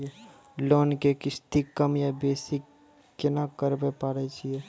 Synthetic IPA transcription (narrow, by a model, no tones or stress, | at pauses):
e | loːnkekɪst̪ikəmjabeːsɪkː | ɪnakəɾbepaːɾet͡ʃʰie